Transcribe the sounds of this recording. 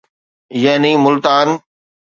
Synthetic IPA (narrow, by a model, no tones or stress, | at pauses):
jaːniːmʊlt̪aːn